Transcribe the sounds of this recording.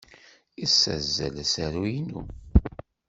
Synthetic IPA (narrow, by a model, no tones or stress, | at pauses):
isːæ̰zːæ̰læsæɾujinṵ